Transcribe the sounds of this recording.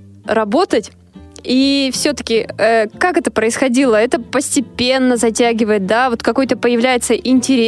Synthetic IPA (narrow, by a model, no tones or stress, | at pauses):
ɾɐbo̞t̪ətʲ | ifsʲɵt̪ə̥kʲɪəkakɛt̪əpɾəɪsxɐdʲilˠəɛt̪əpəsʲtʲɪpʲe̞nːəzɐtʲæɡʲɪvəjɪt̪̚d̪avo̞t̪kɐko̞jt̪əpəjɪvlʲæjɪt̪səʔɪnʲtʲɪɾʲ